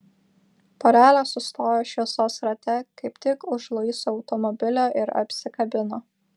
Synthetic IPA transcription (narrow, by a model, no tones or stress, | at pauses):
pɔɾʲæːlʲoːsʊst̪oːjoːʃʲisoːsɾɐt̪ʲɛkɐɪpt̪ʲɪkʊʒlˠɐɪsuɒʊt̪ɔmɔbʲɪlʲoːʔɪɾɐ̰pʲsʲɪkɐbʲɪnoː